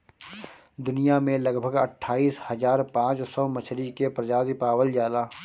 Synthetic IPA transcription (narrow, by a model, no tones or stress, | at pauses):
d̪ʊnijamẽləɡbʱəɡə̰ʈʰːaːiːshəzaːɾpãːt͡ʃsɔmət͡ʃʰɾikepɾɐd͡ʒaːzipaːwəld͡ʒaːlaː